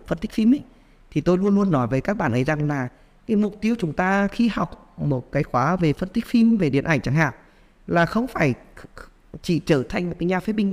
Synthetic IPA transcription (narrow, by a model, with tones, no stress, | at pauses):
fə˧nt̪i˦˥k̚fi˧mʔɗa˨˦ | t̪ʰi˨˩t̪o˧jlu˧ənlu˧ənːɔ˨˦jvəː˨˦kaː˦˥k̚ɓaː˧˩nʔə˨˦jza˨˩ŋlaː˨˩ | kaː˨˦jmʊ˨˩k͡p̚t̪i˨˦əwt͡ɕʊ˨˦ŋ͡mt̪aː˧xi˧ha˨˩wk͡p̚ | mo˨˩t̚kaː˨˦jxwaː˨˦ve˨˩fə˧nt̪i˦˥k̟̚fi˧mve˨˩ɗḭ˧˨ənʔa˧˩jŋ̟t͡ɕa˧˩ŋha̰ː˧˨ʔ | laː˨˩xə˧wŋ͡mfaː˧˩j | t͡ɕḭ˧˩t͡ɕəː˧˩t̪ʰa˨˧jŋ̟mo˨˩t̚kaː˨˦ɲaː˧˩fe˨˦˥ɓï˧ŋ